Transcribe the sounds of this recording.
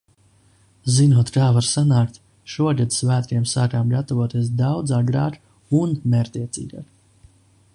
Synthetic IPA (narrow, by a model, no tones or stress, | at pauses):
zinuɔt̪kaːvaɾsanaːkt̪ | ʃuɔɡad̪svæːt̪ɾiɛmsaːkaːmɡat̪ɔvɔt̪iɛs̬d̪awd̪zaːɡɾa̰ːk | unmɛɾt̪iɛt̪sḭːɡa̰ːk